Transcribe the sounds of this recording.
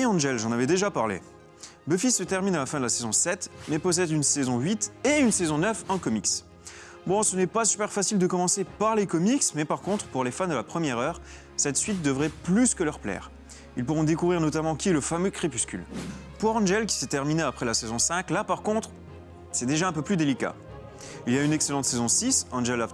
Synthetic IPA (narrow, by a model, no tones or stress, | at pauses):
iɑ̃ʒɛlʒɑ̃navɛd̪eʒapaʁlḛ | bøfisːət̪ɛʁminalafɛ̃d̪əlasezɔ̃sɛt̪mɛpɔs̬ɛd̪ynsezɔ̃ɥit̪eynsezɔ̃nœfɛ̃kɔmiks | bɔ̃sənɛpasy̥pɛʁfasild̪əkɔmɑ̃sepaʁlekɔmiksmɛpaʁkɔ̃t̪χpuʁlefand̪əlapχəmjɛʁœːʁ | sɛt̪sɥit̪̚d̪əvʁɛplyskəlœʁplɛ̰ʁ | ilpuʁɔ̃d̪ekuvʁiʁnɔt̪amɑ̃kʲiɛləfamøkχepyskʲy̰lpuʁɑ̃nʒɛlkʲi̥sɛt̪ɛʁmineapχɛlasezɔ̃sɛ̃klapaʁkɔ̃t̪χ | sɛd̪eʒaɛ̃pøplyd̪elika̰ | iljaynɛkselɑ̃t̪sezɔ̃sisɑ̃nʒɛla